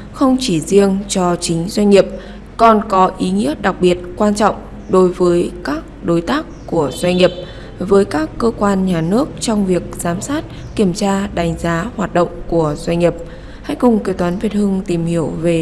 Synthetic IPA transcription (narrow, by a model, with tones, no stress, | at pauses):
xə˧wŋ͡mt͡ɕi˧˩zi˧ənt͡ɕɔ˧t͡ɕï˨˦ŋ̟zwa˧jŋ̟ːi˨˩əp̚ | kɔ˨˩nkɔ˨˦ʔi˨˦ŋḭ˧˥ət̚ɗa˨˩k̚ɓi˨˩ət̚kwaː˧nt͡ɕɔ̰˧˨wŋ͡m | ɗo˨˦jvəː˨˦jkaː˦˥k̚ɗo˨˦jt̪aː˦˥kːu˧˩əz̥wa˧jŋ̟ɲi˨˩əp̚ | vəː˨˦jkaː˦˥kːəː˧kwaː˧nɲaː˨˩nɨ˦˥ək̚t͡ɕɔ˧wŋ͡mvi˨˩ək̚z̥aː˨˦msaː˦˥t̚ | ki˧˩əmt͡ɕaː˧ɗa˨˦jŋ̟zaː˨˦hwaː˨˩t̚ɗo̰˧˨wŋ͡mku˧˩əzwa˧jŋ̟ɲi˨˩əp̚ | ha˧jkʊ˨˩ŋ͡mke˧˩t̪waː˨˦nvi˨˩t̚hɨ˧ŋt̪i˨˩mhi˧˩əwve˨˩